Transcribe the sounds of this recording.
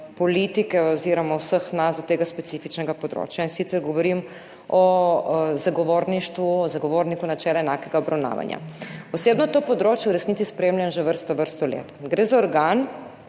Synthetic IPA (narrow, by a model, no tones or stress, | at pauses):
pɔlit̪ikɛɔziɾɔmɔwsəxnasd̪ɔt̪eːɡaspɛt̪sifit͡ʃnɛɡapɔd̪ɾo̰ːt͡ʃjainsit̪sɛɾɡɔʋɔɾim | ɔ | zaɡɔʋoɾniʃt̪ʋuɔzaɡɔʋoːɾnikunat͡ʃɛːlɛɛnaːkɛɡaɔbɾawna̰ːʋa̰nja̰ɔseːbnɔt̪opɔd̪ɾoːt͡ʃjɛuɾɛsnit̪ispɾemlʲjanʒɛʋəɾst̪ɔʋəɾst̪ɔlḛːt̪ɡɾezaɔɾɡan